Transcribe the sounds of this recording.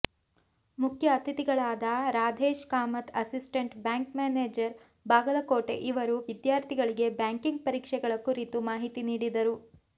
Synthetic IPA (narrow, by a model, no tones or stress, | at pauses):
mukʰjɐːst̪ʰit̪iɡɐɭaːd̪ɐɾaːd̪ʱeːʃkaːmɐt̪ɐsisʈeɳʈbjaːŋkmeːneːd͡ʒɐɾ | baːɡɐlɐkoːʈe̞̰ʔiʋɐɾuʋid̪jaːɾt̪ʰiɡɐɭiɡe̞bjaːŋkiŋɡ̚pɐɾiːkʂɛɡɐɭɐkuɾit̪umaːɦit̪iniːɽid̪ɐɾu